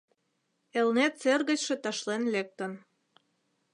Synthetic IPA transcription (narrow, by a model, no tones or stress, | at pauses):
elnet̪t͡serɣə̆t͡ɕʃĕt̪ɑʃlenlek̚t̪ən